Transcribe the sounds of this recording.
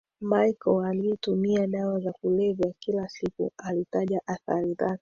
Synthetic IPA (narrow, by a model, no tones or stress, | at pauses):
maikɔalitumiaɗawazakulɛvjakilasikṵalitaʄaʔaθa̰ɾizaki̥